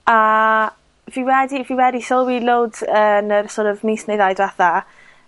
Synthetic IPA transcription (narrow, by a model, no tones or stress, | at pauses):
a | viːwɛdiviːwɛdisɔlˠwilowdənərsɔːɾɔvniːsnejðajdvɛθa